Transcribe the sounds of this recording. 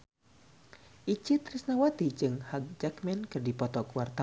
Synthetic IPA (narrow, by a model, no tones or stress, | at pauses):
ʔit͡ʃɪt̪risnawat̪id͡ʒɨŋhaɡ̚d͡ʒakmɛnkɨrdipɔt̪ɔkwart̪a